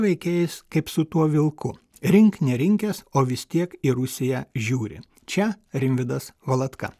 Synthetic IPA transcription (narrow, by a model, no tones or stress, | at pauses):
ʋʲɛɪkʲeːjɪskɐɪpsʊt̪uɔʋʲɪlˠkʊ | ɾʲɪŋknʲɛɾʲɪŋʲkʲɛsoːʋʲɪst̪ʲiɛkɪɾʊsʲɪjɛʒʲuːɾʲɪ̰ | t͡ʃʲɛ | ɾʲɪmʲʋʲɪd̪ɐsʋɐlˠɐt̪kɐ̰